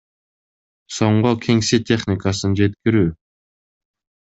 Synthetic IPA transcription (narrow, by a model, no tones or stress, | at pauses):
sɔɴɢɔkʰeŋsit̪eχnikasə̆ŋd͡ʑet̪̚ɡəɾy